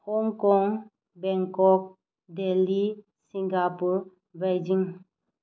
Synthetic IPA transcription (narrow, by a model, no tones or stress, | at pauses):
hɔŋkɔŋ | bɛ̃ŋkɔk̚ | deli | siŋɡapuɾ | bajd͡ʒiŋ